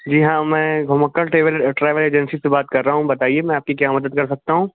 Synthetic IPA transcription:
d͡ʒiːɦãːmɛ̃ːɡʱʊməkːəɾʈeːʋəlʈɾaːɪʋəleːd͡ʒɛnsisebaːt̪̚kɐɾːaːɦũbɐt̪aːiemɛ̃aːp̚kikjaːmɐd̪əd̪kɐɾsɐk̚t̪aɦũː

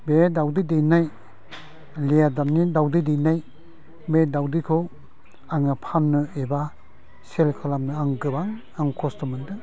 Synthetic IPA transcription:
bedawdidenaj | lejadanidawdidenaj | bedawdikʰɔw | aŋapʰanːɯeba | selkʰalamnɯaŋɡɯbaŋ | aŋkʰɔstɔmɯndɯ

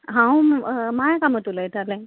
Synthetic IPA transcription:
ɦãwmajakamət̪ulajt̪alẽ

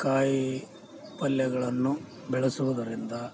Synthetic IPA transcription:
kaːji | pɐljɐɡɐɭɐnːu | bɛɭɐsuʋɐd̪ɐɾind̪ɐ

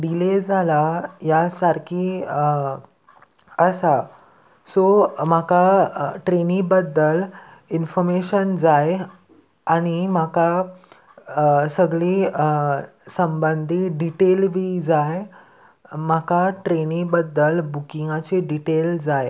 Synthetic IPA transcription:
ɖiled͡zalajasaɾkʰiː | əsa | som̤akaʈɾenibəd̪ːəlinfɔɾmeɕənd͡zaj | aɽ̃im̤aka | səɡɭiː | səmbənd̪ʱiːɖiʈelbʱiːd͡zaj | m̤akaʈɾenibəd̪əlbukiŋɡat͡seɖiʈeld͡zaj

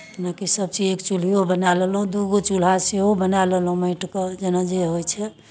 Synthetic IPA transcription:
nakisəb̚t͡ʃid͡ʒekt͡ʃul̤ijobənalelɦũd̪uɡot͡ʃul̤aseɦobənalelɦũməɪʈked͡ʒenad͡ʒeɦojt͡ʃʰɛ

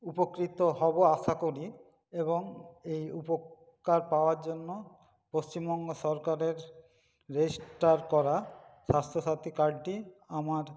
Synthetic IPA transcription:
upokɾit̪oɦɔboaʃakoɾi | eboŋejupo | kaɾpaoaɾd͡ʑonːo | post͡ɕimbɔŋɡoʃɔɾkaɾeɾː | ed͡ʑisʈaɾkɔɾaʃast̪ʰoʃat̪ikaɾɖʈiamaɾ

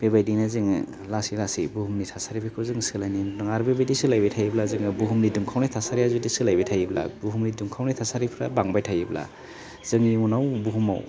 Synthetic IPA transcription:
b̥ebajdinaziŋ | lasilasibuhumnitʰasaɾipʰikʰɯzɯŋsɯlajnindɯŋaɾbebajdisɯlajbajtʰajblazɯŋɯbuɦumnidumkʰawnajtʰasaɾiazudisɯlajbajtʰajibla̰buɦumnidumkʰawnajtʰasaɾipʰɾabaŋbajtʰajibla̰ | zɯŋnimunawbuɦuma̰w

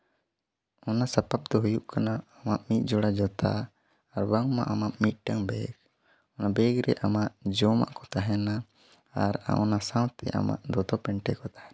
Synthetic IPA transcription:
ɔnasapap̚d̪ɔɦujuʔkanaːmaʔmit̪̚ˀd͡ʒɔɽad͡ʒɔt̪ʰa̰ː | ɾbaŋma̰ʔamaʔmit̪̚ˀʈaŋbɛɡ | ɔnabɛɡɾɛʔamaʔd͡ʒɔma̰ʔkɔt̪aɦɛna | a̰ɾa̰ʔɔnasãwt̪ʰɛ̰ʔa̰ma̰ʔd̪ɔt̪ɔpɛɳʈɛkɔt̪ḁhɛn

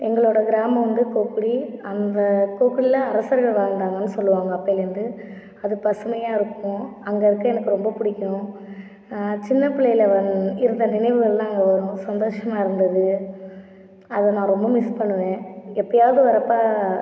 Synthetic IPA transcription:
ɛŋɡɐɭoːɽɐɡɪɾaːmɐ̃ʋɐnd̪ɯkoːkːɯɽiɐnd̪ɐkoːkɯɽɪlɐɐɾɐsɐɾɣɐɭʋaːŋd̪aːŋɡɐnːɯsɔlːɯʋaːŋɡɐːpːɐɪlɐnd̪ɯ | ɐðɯpɐsɯmɐjaːɪɾɯkːʊ̃ɐŋɡɐɪɾɯkːɯɛnɐkːɯɾɔmbɐpʊɽɪkʲːɐʊ̃ | t͡ʃɪnːɐpɪɭːɐjɪlɐʋɐnɪɾɯnd̪ɐnɪnɐɪʋɯɣɐɭlãːɐŋɡɐʋɐɾʊ̃sɐnd̪oːʂɐmaːɪɾɯnd̪ɐðɯ | ɐðɐnãːɾɔmbɐmɪspɐɳːɯʋẽːɛpːɐɽɪjaːʋðɯʋɐɾɐpːaː

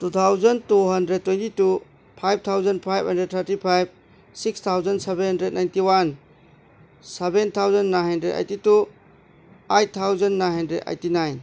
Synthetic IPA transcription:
tut̪ʰawzɐntuɦɐndɾed̚tːwentitu | pʰajb̚t̪ʰawzɐnpʰajb̚ʱɦɐndɾed̚t̪ʰɐɾtipʰajb̚ | sikst̪ʰawzɐnsebenɦɐndɾed̚najntiwan | sebent̪ʰawzɐnːajnɦɐndɾeda̰jtitu | ajt̚t̪ʰːawzɐnːajnɦɐndɾeda̰jtinajn

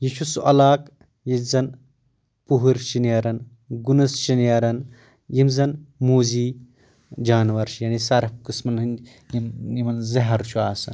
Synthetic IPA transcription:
jit͡ʃʰusuʔɐlaːk | jizɐn | puɦuɾt͡ʃinjɐɾɐn | ɡunɐst͡ʃinjɐɾɐn | jimzɐnmuːziː | d͡ʒaːnʋɐɾʃjɐːnisɐɾɐpkɨsmɐnɦɨn | jimjimɐnzɐɦɐɾt͡ʃʰuaːsɐn

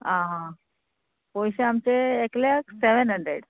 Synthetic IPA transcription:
ɦãɦã | pɔjɕeamt͡ɕeːklakseʋ̤ənɦəɳɖɾḛɖ

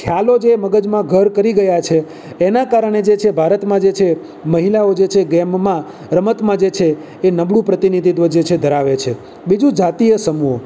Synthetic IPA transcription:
kʰjalod͡ʒeməɡəd͡ʒmãɡʱəɾkəɾiɡəjat͡ʃʰeː | nakaɾəɳ̃ed͡ʒet͡ʃʰebʱaɾət̪mãd͡ʒet͡ʃʰe | məɦilaod͡ʒet͡ʃʰeɡɛmːã | ɾəmət̪mãd͡ʒet͡ʃʰeː | nəbɽũpɾət̪inid̪ʱid̪ʋəd͡ʒet͡ʃʰed̪ʱəɾaʋet͡ʃʰe | bid͡ʒũd͡ʒat̪ijəsəmuɦo

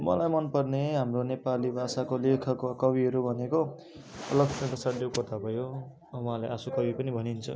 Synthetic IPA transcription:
mʌ̰lajmʌnpʌrneɦamronepalibʱasakolekʰʌkakʌbiɦʌɾubʱʌneko | ʌ̰lʌɡsʰʌnpʌsaɽlokʌt̪ʰabʱʌjo | wʌ̃ɦãlajʔasukʌbipʌnibʱʌnint͡sʰʌ̰

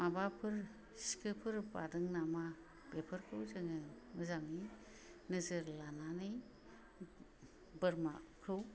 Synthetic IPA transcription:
mabapʰɯɾ | si̥kʰɯpʰɯɾba̰dɯŋnama | bepʰɯɾkʰɯwzɯŋɯ | mɯzamnɯj | nɯzɯɾlananɯj | bɯɾmakʰɾɯw

